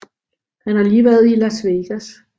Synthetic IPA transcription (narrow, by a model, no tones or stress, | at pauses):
hænhɑ̈liːʋæɐð̩ˠilæsʋeɡ̥æs